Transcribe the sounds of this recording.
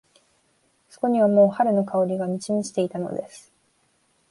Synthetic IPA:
so̞̥ko̞ɲ̟iβ̞amo̞ːhaɾɯ̟no̞kao̞ɾʲiɡamʲit͡ɕiɲʲiɕi̥t̪e̞it̪ano̞̰d̪e̞sɨ̥

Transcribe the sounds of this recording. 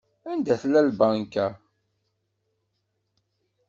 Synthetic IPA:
ænd̪æθlælbankːæ

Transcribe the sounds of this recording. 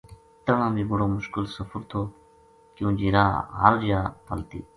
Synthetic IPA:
t̪ənãːbiːbʊɽoːmʊʃkɪlsəfəɾt̪ʰoː | kjũːd͡ʒiːɾaːɦə̰ɾd͡ʒaːpʰəlt̪ḭː

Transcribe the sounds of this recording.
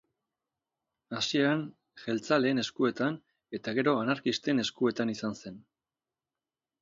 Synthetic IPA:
asiean | ʝe̞lt͡sale̞ːne̞skue̞t̪an | e̞t̪aɣe̞ɾo̞anaɾkist̪e̞ne̞skue̞t̪anisanse̞n

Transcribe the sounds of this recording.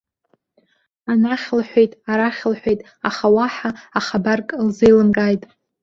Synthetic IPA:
anaχʲlħʷᶣejtʼaɾaχʲlħʷᶣejtʼ | aχawaħaːχabarkʼlzejlɨmkʼajtʼ

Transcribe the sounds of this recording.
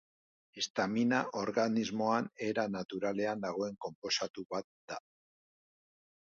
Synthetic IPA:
est̪aminaʔo̞ɾɣanizmo̞ane̞ɾanat̪uɾale̞and̪aɣ̞o̞e̞ŋko̞mpo̞sat̪uβat̪̚d̪̥a

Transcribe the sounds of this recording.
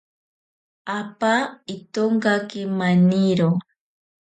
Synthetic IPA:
apaɪt̪oɴɢakɪmaniɾo

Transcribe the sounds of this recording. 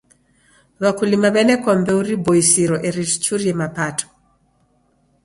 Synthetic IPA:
βakulimaβɛnɛkɔmbɛuɾibɔisiɾɔʔɛɾiti̥t͡ʃuɾiɛmapatʰɔ̥

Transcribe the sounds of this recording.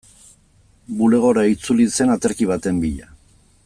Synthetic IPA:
bule̞ɣ̞o̞ɾait͡sulise̞nat̪eɾkiβ̞at̪e̞mbiʎa

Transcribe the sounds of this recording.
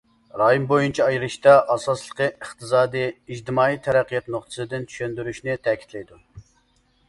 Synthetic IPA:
ɾɑːjimbojunt͡ʃʰɑɑjɾɨʃt̪ɑʔɑsɑslˠəqɨəχt̪ɨzɑːd̪ɨjid͡ʒt̪ɨmɑːit̪ʰɛɾæqːijɑt̪noχt̪ʰɨ̥sɨd̪ɪnt͡ʃ̪ʰy̥ʃønd̪yɾyʃnɪt̪ʰɛkʲʰi̥t̪lɛjd̪u

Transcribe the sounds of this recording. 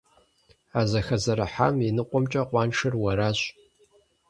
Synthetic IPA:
aːzɐxɐzɐɾaħa̰minɨqʷʼɔmt͡ʃʼɐqʷʼɑːnʂɨrwɐɾaɕ

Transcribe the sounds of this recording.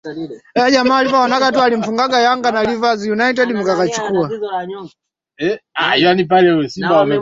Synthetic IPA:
aʄamalivawanakat̬ualim̩fuŋɡaɡajaŋɡanalivazjunait̬ɛdimukakat͡ʃikua | ɛa̰iwanipalɛuɛsimbaamɛ

